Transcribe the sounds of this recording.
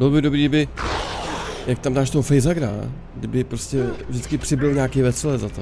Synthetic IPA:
bɪlobɪdobɾiːbɪ | jak̚t̪amdaːʃt̪oɦofɛjzaɡɾa̰ | ɡdɪbɪpɾo̞scɛvʒdɪt͡skɪpr̝̥ɪbɪlɲaːkejvɛt͡sɛlɛzat̪o

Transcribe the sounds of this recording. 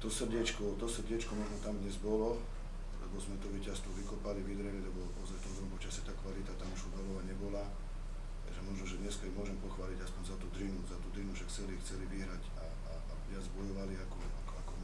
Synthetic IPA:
t̪ɔsr̩ɟɛt͡ʃkɔt̪ɔsr̩ɟɪɛt͡ʃkɔmɔʒnɔt̪amd̪ɲɛzbɔlɔ | lɛ̰bɔzmɛt̪uʋicast̪ʋɔʋikɔpaliʋid̪ɾɛlilɛbɔɔ̰zaft̪ɔmd̪ɾɔmpɔt͡ʃasjɛt̪aːkʋalit̪at̪amuʒud̪alɔʋaɲɛbɔla | t̪a̰ɡʒɛmɔʒnɔʒɛd̪ɲɛskaimʊɔʒɛmpɔxʋaːliɟaspɔɲzat̪uːd̪ɾinuzat̪ud̪ɾinufʃakxt͡sɛlixt͡sɛliʋiɦɾaca | aabazbɔjɔʋaliakɔ | akɔakɔ

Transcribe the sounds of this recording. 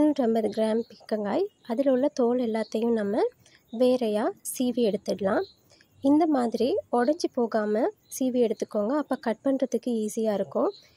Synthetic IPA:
nuʈɾɛmbɐðɯɡɾaːmpɪkːɐŋɡaːj | ɐðɪlʊɭːɐt̪oːlɛlːaːt̪ːɐjʊ̃nɐmːɐ | ʋeːɾɐjaːsiːʋiɛɽɯt̪ːɯɽlãː | ɪnd̪ɐmaːðɪɾiɔɽɐɲd͡ʒɯpoːɣaːmɐ | siːʋiɛɽɯt̪ːɯkːoːŋɡɐːpːoːkɐʈ̚pɐɳɾɐðɯkːɯiːsɪjaːɪɾɯkːʊ̃

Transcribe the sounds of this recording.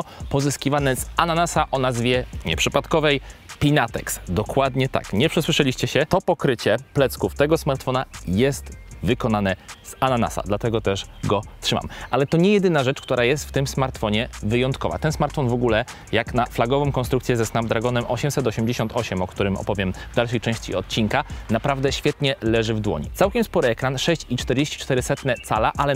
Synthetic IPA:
pɔzɘskʲivanɛzananasaʔɔnazvʲjɛɲɛ̰pʂɘpat̪kɔvɛjpʲinat̪ɛ̰ksd̪ɔkwad̪ɲɛt̪a̰kɲɛpʂɛswɘʂɛlʲiɕt͡ɕɛɕɛt̪ɔpɔkɾɘt͡ɕɛplɛt̪skuft̪ɛɡɔsmaɾt̪fɔnajɛst̪vɘkɔnanɛz̥anana̰sa̰d̪lat̪ɛɡɔt̪ɛʂɡɔtʂɘma̰mʔalɛt̪ɔɲɛjɛd̪ɘnaʐɛt͡ʂkt̪uɾajɛst̪ft̪ɘmsmaɾt̪fɔɲɛvɘjɔnt̪kɔva̰t̪ɛnsmaɾt̪fɔnvɔɡulɛ | jaknaflaɡɔvɔ̃w̃m̃kɔ̃nst̪ɾuk̪sʲjɛzɛsnamd̪ɾaɡɔnɛmʔɔɕɛmsɛt̪ɔɕɛmd͡ʑeɕɔ̃nt̪ʰɔɕɛmɔkt̪uɾɘmɔ̰pɔvʲjɛmvd̪alʂɛjt͡ʂɛ̃w̃ɕt͡ɕḭɔt̪̚t͡ɕinkanapɾavd̪ɛɕfʲjɛt̪ɲɛlɛʐɘvd̪wɔ̰ɲḭt̪sawkʲɛmspɔɾɘɛkɾanʂɛɕt͡ɕit͡ʂt̪ɛɾd͡ʑeɕt͡ɕi̥t͡ʂt̪ɛɾɘsɛt̪nɛt̪salaʔalɛ

